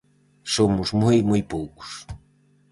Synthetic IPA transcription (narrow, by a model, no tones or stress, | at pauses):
somʊzmujmujpowkʊ̥s